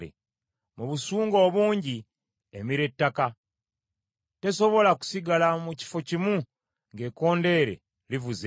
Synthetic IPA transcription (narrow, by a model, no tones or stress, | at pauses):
ḛ | muβusuːŋɡo̞ːβuːɲɟi | e̞miɾe̞tːaka | te̞so̞βo̞laku̥siɡalamuci̥fo̞cimu | ŋɡe̞ko̞ːnde̞ːɾe̞̰ | livuze